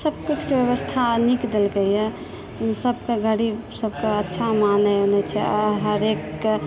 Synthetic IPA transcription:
səb̚kut͡ʃʰkebjəβəst̪ʰanikd̪elkeijɛ | səbkeɡəɽibsəbʱkeətːʃʰamanəonɛt͡ʃʰɛɔɾɦəɾek

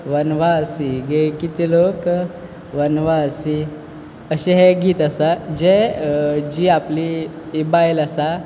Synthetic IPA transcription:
ʋənʋaəsiɡekit̪ilok | ʋənʋasi | əɕeɦeɡʱiːt̪əsad͡ʑe | d͡ʑiapli | ibajləsa

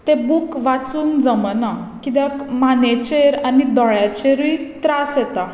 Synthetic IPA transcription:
t̪ẽbukʋat͡suːnd͡zəməna | kid̪akmanet͡ɕeɾanid̪ɔɭjat͡ɕeɾʋit̪ɾasjɛt̪a

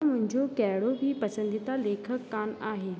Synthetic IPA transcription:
mʊ̃ɦɪ̃ɲd͡ʑokɛɦɪɽobʱipɐsə̃nd̪it̪aleːkʰəkːaːnaːɦeː

